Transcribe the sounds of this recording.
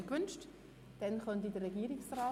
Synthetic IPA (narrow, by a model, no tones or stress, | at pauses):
kʋʏnʃt | d̥ɛnχœntidərɾɛɡiːɾiksraː